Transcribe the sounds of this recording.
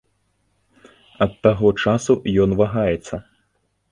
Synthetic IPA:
ɐt̪ːaɣɔt͡ʂasujɔnvaɣajɛt̪sːɐ

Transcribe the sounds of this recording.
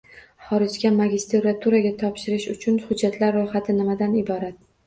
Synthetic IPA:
χɒɾɪd͡ʒɡʲamaɡʲɪst̪eɾat̪ʰuɾaɡʲat̪ʰɒpʃɪɾɪʃʊt͡ʃʰʊnhʊd͡ʒːat̪ʰlaɾːojχat̪ʰɪnɪmad̪anɪbɒɾat̪̚

